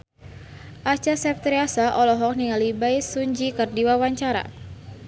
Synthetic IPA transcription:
ʔat͡ʃasɛft̪ɾiasaʔɔlɔɦɔk̚niŋalibajsuɲd͡ʒikərdiwawaɲt͡ʃaɾa̰

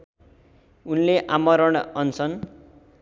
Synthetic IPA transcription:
unleʔamʌɾʌɳ̃ʌnt͡sʰʌn

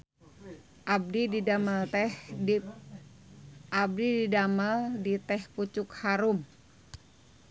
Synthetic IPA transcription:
ʔab̚dididaməlt̪ɛ | ʔab̚dididaməldit̪ɛhput͡ʃʊkhaɾum

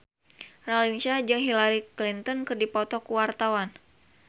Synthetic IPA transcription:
rɔlinsad͡ʒɨŋɦilaɾiklint̪ɔnkɨrdipɔt̪ɔkuwart̪awan

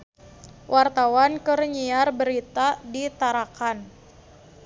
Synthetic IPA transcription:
wʔart̪awankərɲiarbəɾit̪adit̪aɾakan

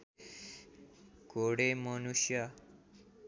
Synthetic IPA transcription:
koɽemʌnusja

